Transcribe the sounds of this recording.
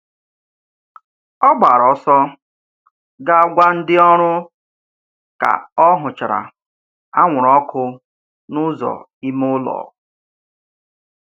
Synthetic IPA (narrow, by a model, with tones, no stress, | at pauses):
ɔ˦ɡ͡ba˨ɾɔ˨sɔ˦ | ɡa˦a˦ɡʷa˦n̩˦dɪ˦ɔ˦ɾʊ˦ | ka̰˨ɔ˦ɦʊ˨t͡ʃa˨ɾa̰˨ | a˦ŋʷʊ˨ɾɔ˦kʰʊ˦ | nʊ˦zɔ̰˨ | i˦mʊ˦lɔ̰ː˨